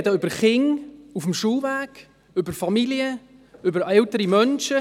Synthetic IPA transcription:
dəʏbəχɪŋufəmʃuːvæːɡ̥ | ʏbəɾfɑmiliə | ʏbəɾɛltəɾimœnʃə

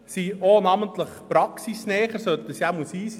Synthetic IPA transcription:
sionɑmənt̪ləχpɾɑksisnɛːχəɾsœt̪̚dəsjamusiːs

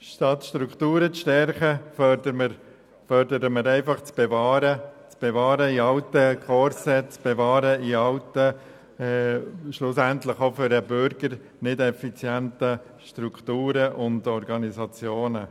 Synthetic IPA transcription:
ʃtɑt̪ʃtɾuktuːɾət͡sʃtɛɾχəfœdəməɾ | fœrdəɾəməɾɛɪfɑχt͡sb̥evɑːɾət͡sb̥evɑːɾəiɑltəkʰɔɾsət͡sb̥evɑːɾəiɑltə | ɛʃlʊsænt̪ləχofʏɾəbʏɾɡəɾ | nɪdɛfit͡sjæntə | ʃtɾukχtuːɾəʔʊndɔɾɡɑnizɑt͡sjoːnə

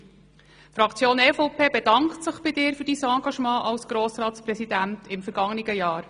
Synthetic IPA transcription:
fɾɑkt͡sjoːnɛːfoʊpeːbɛdɑŋktsəχb̥ɪdɪːɾfʏɾdiːsɑ̃ːɡɑʃmɑ̃ːʔɑlsɡ̥ɾoːsɾɑːtspɾɛsidæntʰɪmfɛɾɡ̥ɑŋənɪɡəjɑːɾ

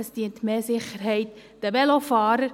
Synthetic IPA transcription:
əsd̥iəntmeːsɪχəɾɦɛɪtd̥əʋɛlofɑːɾəɾ

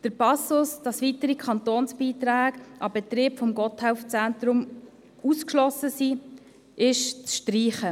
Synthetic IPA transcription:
d̥əɾpɑsʊsd̥ɑsʋitəɾikʰɑnt̪oːnsbiːtɾaːɡʔɑbɛtɾɪːpfɔmɡɔthæʊft͡sæntɾʊm | uskʃlɔsəsi | ʔɪʃt͡sʃtriːχə

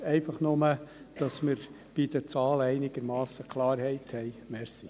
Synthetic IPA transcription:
ɛɪfɑχnʊmə | d̪̥ɑsməɾ | b̥id̥̪əɾt͡sɑːlɛɪnɪɡ̥əɾmɑːsəkʰlˠɑːɾhɛɪthɛjmɛɾsi

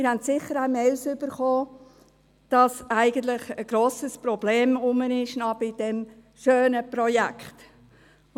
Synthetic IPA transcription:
mɪɾhæntsɪχːəɾæmeɪlsʏb̥əɾχoː | d̥ɑsæɪɡən̩t̪lɪχəɡ̥ɾoːsəspɾɔbleːmʊmənɪʃnɑb̥ɪd̥ɛm | ʃøːnəpɾɔjækχt

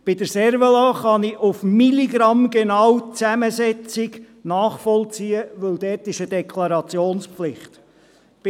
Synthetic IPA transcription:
b̥ɪd̥̪əɾsɛɾvəlɑːχɑnɪʔufmiliɡɾɑmɡenɑwt͡sæməsɛt͡sɪɡ | nɑːχfɔlt͡siːəʋɵld̪ɛːtɪʃəd̪ɛkʰlɑɾɑt͡sjoːnsflɪχt̪ | b̥

